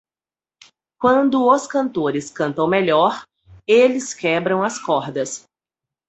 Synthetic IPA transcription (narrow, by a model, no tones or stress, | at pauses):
kwɐ̃nd̪ʊoskɐ̃nt̪oɾɪskɐ̃nt̪ɐ̃w̃meʎɔɾ | elɪskɛbɾɐ̃w̃ɐskɔɾd̪ɐs